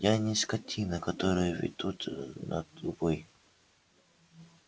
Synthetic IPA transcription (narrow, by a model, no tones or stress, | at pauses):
janʲɪsʲkatʲʰinəkat̪oɾɨjəvʲɪ̰d̪̥ut̪na̰t̪ʊvoj